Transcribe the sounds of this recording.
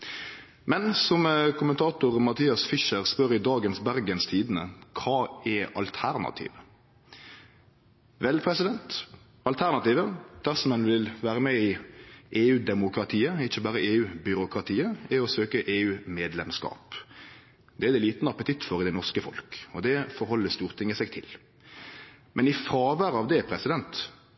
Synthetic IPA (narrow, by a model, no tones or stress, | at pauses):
mɛnsɔmkʰʊmənt̪ʰɑːt̪ʊʁmɑt̪ʰiːɑsfɪʃəɾspœɾɪd̪ɑːɡənsbæɾɡənst̪ʰiːd̪ənəkʰɑːɛɑlt̪ʰæɾnɑ̰t̪ʰḭːʋə | ʋɛlpʰɾɛsɪd̪ɛnt̪ | ɑlt̪ʰæɾnɑt̪iːʋəd̪̥æɾsɔmɛnʋɪlʋæːɾəmɛɪʔeːʉːd̪ɛmʊkɾɑt̪ʰiːəɪçːəbɑːɾəeːʉːbʏɾʊkɾɑt̪ʰiːəɛɾɔsøːkəʔeːʉːmeːd̪lɛmskɑ̰ːp | d̪ɛæd̪ɛliːt̪nəɑpət̪ʰɪt̪ːfɔɾɪd̪ɛnɔʁskəfɔlkɔd̪ɛfɔɾhɔlːəst̪uːʁt̪ʰɪŋːəsɛɡ̚t̪ʰɪl | mʔɛnɪfɾɑːʋæːɾɑʋd̪ɛpʰɾɛsɪd̪ɛnt̪